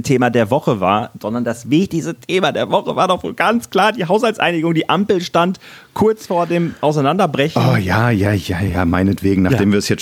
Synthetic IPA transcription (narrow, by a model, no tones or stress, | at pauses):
tʰeːmadeːɐvɔχəva̰ːɐz̥ɔndɐndasvɪçtɪçstətʰeːmadeːɐvɔχəva̰ːɐdɔχvo̰ːlɡ̥ant͡skl̥aːɐdiːɦaʊshalt͡sʔa̰ɪnɪɡʊŋdiːʔampl̩ʃtant | kʰʊɐt͡sfoːɐdeːmʔaʊs̬aɪnandɐbʁɛçojaːjaːjaːjaːmaɪnətv̥eːɡŋ̩naːdeːmviːɐɛsjɛt͡s